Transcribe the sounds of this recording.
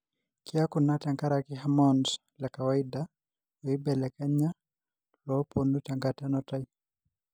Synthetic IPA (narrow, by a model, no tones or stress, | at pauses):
kʰiakunataŋɡaɾakiɦamɔnd | lɛkawaida | ɔibɛlɛkɛɲa | lɔpɔnutaŋɡatanɔtai